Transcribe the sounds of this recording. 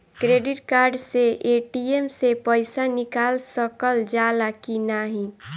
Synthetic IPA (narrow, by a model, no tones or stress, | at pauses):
kɾeːɖɪʈkaːɾɖseʔeʈiemsepəɪsanɪkaːlsəkəld͡ʒalakinaɦĩ